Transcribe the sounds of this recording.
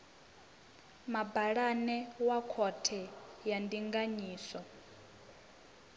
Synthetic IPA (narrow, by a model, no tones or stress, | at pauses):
mabaɺanɛwakʰɔtʰɛjandiŋɡaɲiːsɔ